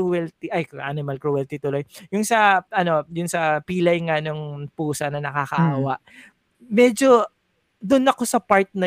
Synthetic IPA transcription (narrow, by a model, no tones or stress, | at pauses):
wɛlt̪iʔɐjʔa̰nɪmɐlkɹuwɛlt̪it̪ʊlo̞jjʊŋsɐʔɐno̞jʊnsɐpiːlɐjŋanoŋpuːsɐnɐnɐkakɐʔaːwaʔ | mɛd͡ʒo̞ | d̪ʊnːɐko̞sɐpaɹt̪̚nɐ